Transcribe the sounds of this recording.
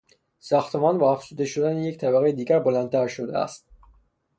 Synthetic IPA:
sɒːxt̪ʰemɒːnbɒːæfz̥uːd̪e̞ʃod̪æneject̪ʰæbæɣejed̪iːɟæɾbolænd̪t̪ʰæɾʃod̪ḛæ̰st̪̚

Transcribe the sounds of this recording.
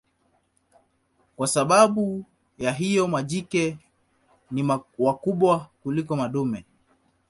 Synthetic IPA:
kwasaɓaɓu | jaɦijɔmaʄikɛ | nimwakuɓwakulikɔmaɗumɛ

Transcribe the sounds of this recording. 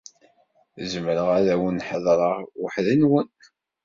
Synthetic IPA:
zəməɾəʁæðæwənħəðˤɾˤɑʁwəħðinwən

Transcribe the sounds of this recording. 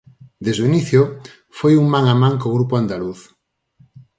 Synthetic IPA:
d̪ezðuiniθjo | fojuŋmaŋamãŋkoɣɾupoand̪aluθ

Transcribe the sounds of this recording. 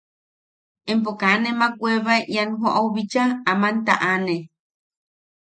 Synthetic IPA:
emp̬okanemakweβaeʔianɦoʔauβit͡ʃaamant̪a̰ʔane

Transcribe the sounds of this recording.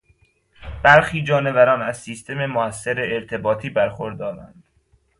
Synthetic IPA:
b̥æɾxiːd͡ʒɒːne̞væɾɒːnæzsiːst̪ʰe̞memoæsːeɾeːɾt̪ʰe̞bɒːt̪ʰiːbæɾxoɾd̪ɒːɾæ̰nd̪̥

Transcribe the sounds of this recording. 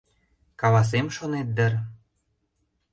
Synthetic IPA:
kɑlɑs̬emʃonet̪̚d̪ə̆r

